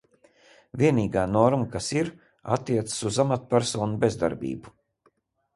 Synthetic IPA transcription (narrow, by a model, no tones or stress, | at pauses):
vʲiɛniːɡaːnɔɾmakasiɾ | a̰t̪ːiɛt̪sə̥suzamat̪̚pʲæɾsɔːnubezd̪a̰ɾbḭːbu